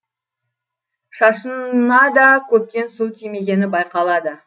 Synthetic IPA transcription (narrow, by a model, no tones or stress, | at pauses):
ʃɑʃənnɑd̪ɑkʲʰɵp̚t̪e̞nsulˠt̪ʰeme̞ɡʲe̞nɪbɑjqɑlˠɑd̪ə